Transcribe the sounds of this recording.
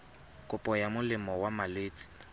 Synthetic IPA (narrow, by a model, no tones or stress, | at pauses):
kʼʊpʼɔjamʊlɪmɔwamaleːt͡sʼi̥